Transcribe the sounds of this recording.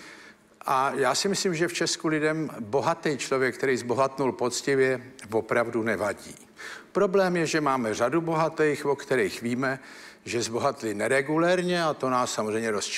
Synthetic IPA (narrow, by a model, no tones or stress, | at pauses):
ʔajaːsɪmɪslimʒɛft͡ʃɛskulɪdɛmbo̞ɦat̪ɛjt͡ʃlovjɛkt̪ɛɾijzbo̞ɦat̪nulpo̞t͡scɪvjɛvo̞pɾavdunɛvaɟḭː | pɾo̞blɛːmjɛʒɛmaːmɛr̝adubo̞ɦat̪ɛjxvokt̪ɛɾijxviːmɛ | ʒɛzbo̞ɦat̪lɪnɛɾɛɡulɛɾɲɛat̪o̞naːsːamozrɛjmɲɛɾost͡ʃ